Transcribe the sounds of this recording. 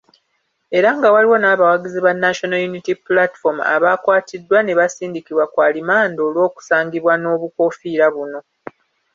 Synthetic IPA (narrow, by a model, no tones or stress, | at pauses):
e̞ɾaŋɡawaliwo̞naːβawaɡiziβanːaʃo̞nojunitiplati̥fo̞ma̰βaːkwaːtidːwane̞βasiːndikiβwakwaːlimaːndo̞ːlwo̞ːku̥saːŋɡiβwano̞ːβuko̞fiɾaβuno̞